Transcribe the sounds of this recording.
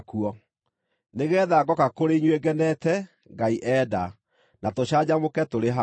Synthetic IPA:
kuɔ | neɣɛðaɡɔkakoɾeiɲweɡɛnɛtɛ | ŋɡaiʔɛːda | natoɕad͡ʑamokɛtoɾeɦa

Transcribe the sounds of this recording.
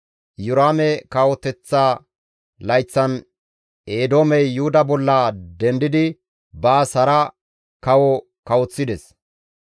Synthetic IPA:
jʊɾaːmɛkawɔt̪ɛt͡sːa | lɐjt͡sːɐn | eːd̪oːmɛjːʊhʊd̪ɐbɔlːɐd̪ɛnd̪ɪd̪ɪ | bɐːsɐɾɐ | kɐwɔ | kɐwɔt͡sːɪd̪ɛs

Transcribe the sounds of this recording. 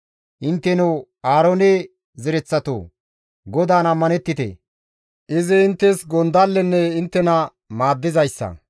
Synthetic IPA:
ʔɪnt̪ːɛnɛw | aːɾoːne | zɛɾɛt͡sːɐt̪o̰ː | ɡɔd̪aːnɐmːɐnɛt̪ːɪt̪ḛ | ʔɪzɪɪnt̪ːɛsɡɔnd̪alːɛnːɛɪnt̪ːɛnɐ | maːd̪ːɪzɐjsːɐ̰

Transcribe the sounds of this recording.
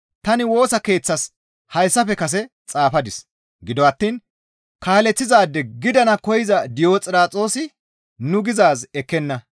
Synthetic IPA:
t̪ɐnɪwo̞ːsɐke̞ːt͡sːɐs | hɐjsːɐfɛkɐs̬ɛ | t͡sʼaːfɐd̪ɪs | ɡɪd̪ɔɐt̪ːiːn | kaːlɛt͡sːɪzaːd̪ːɛɡɪd̪ɐnɐkɔjɪzɐd̪ɪjo̞ːt͡sʼɪɾaːt͡sʼo̞ːsɪ | nʊɡɪzaːzɛkːɛnːɐ

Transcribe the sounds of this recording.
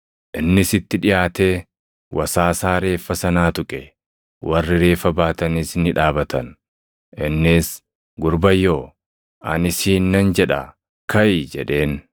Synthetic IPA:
ʔɪnːɪsɪt̪ːɪᶑɪjaːt̪e̞ː | wʔɐsaːsaːɾe̞ːfːɐsɐnaːt̪ʊkʼɛ | wʔɐrːɪɾe̞ːfɐbaːt̪ɐnisnɪᶑaːbɐt̪ɐn | ʔɪnːɪs | ɡʊɾbɐjːoː | ʔɐ̰nɪsiːnːɐnd͡ʒɛᶑɐ | kɐjd͡ʒɛᶑe̞ːn

